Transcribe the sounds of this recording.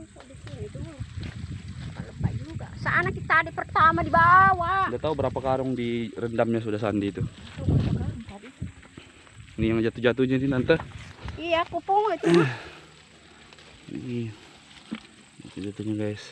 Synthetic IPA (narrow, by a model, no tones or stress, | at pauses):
soɡit̪ud̪u | ləpaləpad͡ʒuɡa̰saʔanakit̪aːdapərt̪amadibawadat̪aubəɾapakaɾʊŋdiɾəndamɲas̬udahs̬ant̪iːt̪uad͡ʒakaɾaŋt̪adi | nijaŋd͡ʒat̪ud͡ʒat̪uɲaninant̪əijakupʊŋlat̪u | ḭt̪ud͡ʒat̪uɲaɡaɪs